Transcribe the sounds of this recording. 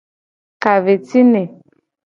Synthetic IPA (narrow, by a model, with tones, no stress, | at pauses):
ka˨ve˨ti˦ne˨